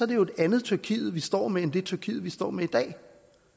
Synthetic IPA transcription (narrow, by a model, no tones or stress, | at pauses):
ɒ̽ɐd̥e̝jo̝edænð̞̩ˠt͡sʰyɐkʰḭːð̩ˠʋisd̥ɒ̰ːmeend̥e̝t͡sʰyɐkʰḭːð̩ˠʋisd̥ɒ̰ːmeid̥ɛ̰ː